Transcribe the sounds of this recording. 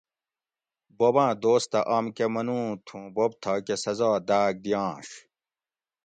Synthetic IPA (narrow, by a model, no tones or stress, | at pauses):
bobãːd̪oːst̪ɐʔaːmkemɐnũːt̪ʰũːbob̚t̪ʰɐkesɐzaːd̪aːɡ̚d̪ijãːɕ